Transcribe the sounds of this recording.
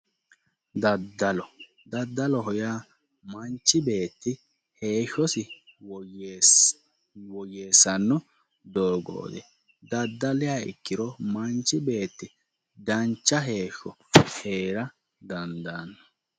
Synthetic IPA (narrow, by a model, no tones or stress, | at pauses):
d̪ɐd̪ːɐlɔ | d̪ɐd̪ːɐlɔɦɔjaː | mɐnt͡ʃːɪbe̞ːt̪ːɪ | he̞ːʃɔsɪw | wɔjeːsɐnːɔ | d̪oːɡo̰ːd̪ɛ | d̪ɐd̪ːɐlɪjaɪ̰kːɪɾɔmɐnt͡ʃːɪbe̞ːt̪ːɪ | d̪ɐnt͡ʃːɐɦe̞ːʃːɔheːɾɐ | d̪ɐnd̪anːɔ